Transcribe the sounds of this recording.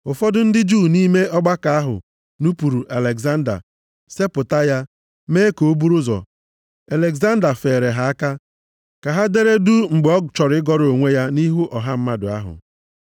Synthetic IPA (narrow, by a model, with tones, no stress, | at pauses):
ʊ˨fɔ˦dʊ˦n̩˦dɪ˦d͡ʒuː˦˨ni˦me˦ʔɔ˦ɡ͡ba˦ka˨a˦ɦʊ̰˨ | nu˦pu˨ɾu˨ʔa˨le˨ɡza˦n̩˦da̰˨ | se˦pʊ˨ta˦ja˦ | meː˦ko˨o˦bu˦ɾʊ˦zɔ̰˨ | a˨le˨ɡza˦n̩˦da˨fe˨ɾe˨ɦa˨a˦ka˦ | ka˨ɦa˦de˦ɾe˦du˦ŋ͡m̩˨ɡ͡bɔ˦t͡ʃɔ˨ɾɪ˦ɪ˦ɡɔ˦ɾo˨ŋʷe˦ja˦ni˦ɦu˦ʔɔ˨ɦa˦m̩˦ma˦dʊ̰˨a̰˦ɦʊ̰˨